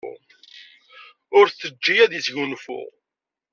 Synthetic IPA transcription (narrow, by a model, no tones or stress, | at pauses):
ʊɾθəd͡ʒːijæðisʝunfʊ̰ʁ